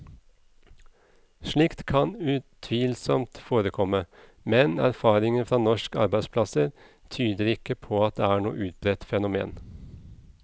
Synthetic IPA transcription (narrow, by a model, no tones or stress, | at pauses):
ʃɭiːkt̪kʰɑnʉːt̪ʰʋiːlsɔmt̪foːɾəkʰɔmə | mɛnæ̰ɾfɑːɾɪŋənfɾɑːnɔʃkɑ̰ɾbæɪd̪spʰlɑsəɾ | t̪ʰyːd̪əɾɪkəpʰoːɑt̪̚d̪eːæːɳṵːəʔʉːt̪̚bɾɛt̪fɛnʊmḛːn